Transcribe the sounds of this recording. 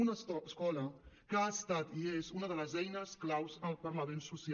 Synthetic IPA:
unəskɔləkəast̪at̪iezunəðələzɛjnəsklawzəlˠpəɾləmensusi

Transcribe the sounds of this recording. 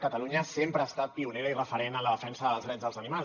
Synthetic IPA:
kət̪əluɲəsempɾəːst̪at̪̚piuneɾəirəfəɾenələðəfɛnsəðəlˠzðɾɛd͡zzðəlˠzənima

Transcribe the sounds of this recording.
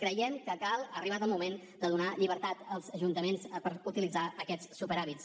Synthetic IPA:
kɾəjɛmkəkalˠəriβat̪əlˠmumen | d̪əðunaʎiβəɾt̪at̪əlˠzəʒunt̪əmenspəɾut̪ilid͡zaʔəkɛt͡ssupəɾaβis

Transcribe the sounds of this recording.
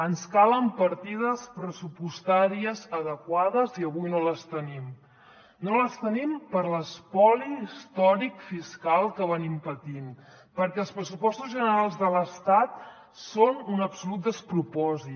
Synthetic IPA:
ənskaləmpəɾt̪ið̞əspɾəsupust̪aɾiəzəðəkwaðəziəβujnoləst̪ənim | noləst̪ənimpəɾləspɔlist̪ɔɾikfiskalˠkəβənimpət̪in | pəɾkɛlˠspɾəsupɔst̪uzʒənəɾalˠzðələst̪at̪̚ | sonunəpsulut̪̚d̪əspɾupɔzi

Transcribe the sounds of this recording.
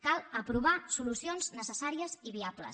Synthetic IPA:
kalˠəpɾuβ̞asulusionznəsəsaɾiəziβiablə̰s

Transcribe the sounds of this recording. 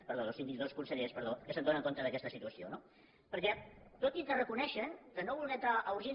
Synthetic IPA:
pəɾðoðosind̪iðoskunsəʎespəɾðokəsənd̪onəŋkont̪əðəkɛst̪əsit̪uəsio̰no | pəɾkɛt̪ot̪it̪ərəkunɛʃənk̪ənoβulˠɣɛnt̪ɾaʔːuɾʒin

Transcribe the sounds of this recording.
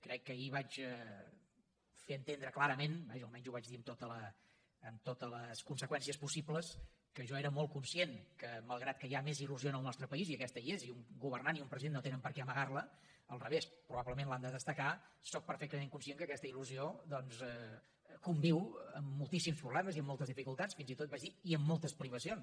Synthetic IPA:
kɾɛkːəiβat͡ʃɛ | feənt̪end̪ɾəklaɾəmenbaʒəlˠmɛɲzuβad͡ʒðiənt̪ot̪ələː | mt̪ot̪ələskunsəkwɛnsiəspusipləs | kəʒɔeɾəmɔlˠtkunsienkəməlˠɣɾat̪̚kəjameziluzionəlˠnɔst̪ɾəpəiziəkɛst̪əieziuŋɡuβ̞ərnaniumpɾəziðenːot̪enəmpəɾkɛəməɣarlə | əlˠrəβespɾuβaβləmẽnland̪əðəst̪əkasɔk̚pəɾfɛk̚t̪əmeŋkunsieŋkəːkɛst̪əiluziod̪ɔnzɛ | kumbiwə̰mːulˠt̪isimspɾuβlɛməziəmːɔlˠt̪əzðifikulˠt̪atsfinzit̪ot̪̚bad͡ʒðiiəmːɔlˠt̪əspɾiβ̞əsions

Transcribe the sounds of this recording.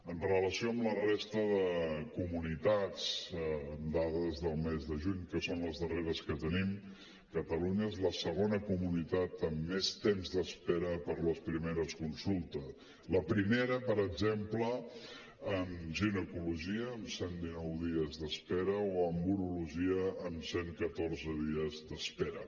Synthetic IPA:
ənrələsioəmlərest̪əðəkumunit̪at͡sː | nd̪aðəzðəlˠmezðəʒuɲkəsonləzðəreɾəskət̪ənim | kət̪əluɲəezləsəɣonəkumunit̪at̪əmːest̪emzðəspeɾəpəɾləspɾimeɾəskunsulˠt̪əs | ləpɾimeɾəpəɾəɡzemplə | əmʒinəkuluʒiəːmsend̪inɔwðiəzðəspɛɾəoəmbuɾuluʒiəəmseŋkət̪orzəðiəzðəspɛɾə

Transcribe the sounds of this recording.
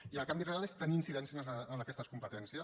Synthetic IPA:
iəlˠkambirealest̪əniːnsiðɛnsizəəməkɛst̪əskumpət̪ɛnsiə

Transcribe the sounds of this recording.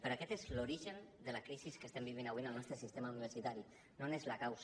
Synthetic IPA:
pəɾakɛt̪ezloɾiʒənd̪əlakɾisiskəst̪ɛmbiβ̞inaβwinəlˠnɔst̪ɾəsist̪emauniβ̞əɾsit̪aɾi | nonezlakaws

